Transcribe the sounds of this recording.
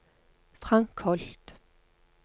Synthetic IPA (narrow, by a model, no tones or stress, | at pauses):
fʁɑŋkʰhɔlt̪